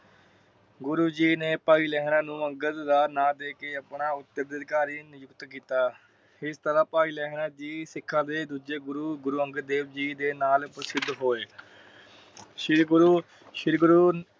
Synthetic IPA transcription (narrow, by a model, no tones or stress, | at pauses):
ɡʊɾuːd͡ʒiːneːpaːiːlɛːɦɳãːnũːəŋɡət̪d̪aːnãːd̪eːkeːəpɳaːʊt̪ːəɾd̪əd̪kaːɾiːnɪjʊkt̪kiːt̪aː | ɪst̪əɾaːpaːiːlɛːɦnãːd͡ʒiːsɪkʰːãːd̪eːd̪uːd͡ʒeːɡʊɾuːɡʊɾuːəŋɡəd̪eːbd͡ʒiːd̪eːnaːlpɾəsɪd̪ɦoːeː | ʃɪɾɡʊɾuː | ʃɪɾɡɾuː